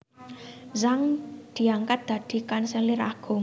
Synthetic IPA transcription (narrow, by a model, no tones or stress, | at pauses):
zaŋd̪̥i̤aŋkat̪̚d̪̥ä̤d̪̥i̤kansɛlɪra̰ɡ̥ʊŋ